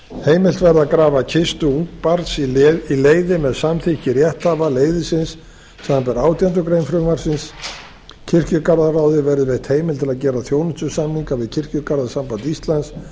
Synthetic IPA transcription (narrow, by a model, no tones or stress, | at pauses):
heːjmɪl̥t̪vɛɾðakɾaːvacʰɪst̪ʏuŋk̚paɾt̪sileːjðɪmɛðsamθɪhcɪɾjɛht̪havaleːjðɪsɪns | sampɛɾaːwt̪jɛnt̪̬ʏkɾejmfɾʏmaɾ̥sɪns | cʰɪr̥cʏkaɾðaraːwðɪvɛɾðɪvɛht̪heːjmɪlt̪ʰɪlaðcɛːɾaðθjoːwnʏ̥t̪ʏsamniŋkavɪðcʰɪr̥cʏkaɾðasampant̪ist̪lans